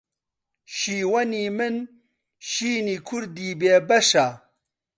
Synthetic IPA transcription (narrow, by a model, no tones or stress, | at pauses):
ʃiːwɐniːmɨn | ʃiːniːkʰuɾd̪iːbeːbɐʃa